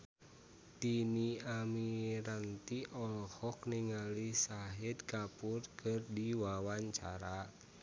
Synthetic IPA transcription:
t̪iniamiɾant̪iʔɔlhɔkniŋalisaɦɪd̪̚kapurkʰɨrdiwawaɲt͡ʃa̰ɾa

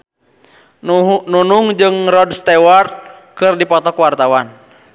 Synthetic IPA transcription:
nunuŋd͡ʒɨŋrɔdst̪ɛwart̪̚kɨrdipɔt̪ɔkwart̪awan

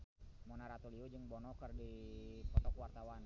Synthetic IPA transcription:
mɔnaɾat̪uliud͡ʒɨŋbɔnɔkərdipɔt̪ɔkwart̪awan

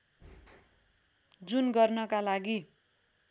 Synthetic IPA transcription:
d͡zunɡʌrnʌkalaɡi

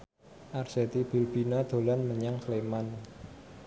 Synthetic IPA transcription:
ʔarset̪ib̥i̤lb̥inad̪̥o̤lanməɲaŋsleman

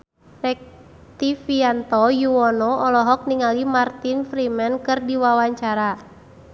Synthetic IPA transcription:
rɛk̚ | t̪ifiant̪ɔjuɔnɔɔlɔɦɔk̚niŋalimart̪infɾimɛnkɨrdiwawaɲt͡ʃaɾa

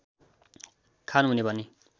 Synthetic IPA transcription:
kʰanuɦunebʱʌne

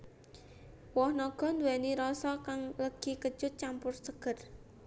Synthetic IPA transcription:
wɔhnɔɡ̥ɔ̤nd̪uwɛniɾɔsɔkaŋləɡ̥i̤kə̥d͡ʒ̥ʊt̪̚t͡ʃampʊrsəɡ̥ə̤r

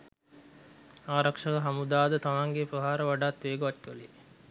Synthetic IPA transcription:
aːɾakʂəkəɦamud̪aːd̪ət̪amaŋɡepɾəɦaːɾəʋaɖaːt̪ʋeːɡuʋɐtkəli

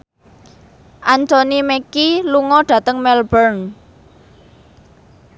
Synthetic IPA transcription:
ʔant̪onimɛkiluŋɔɖ̥ä̤t̪əŋmɛlbərn

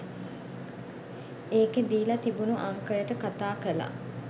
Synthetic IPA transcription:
eːked̪iːlɐt̪ibunuʔaŋkəjəʈəkat̪aːkəla̰

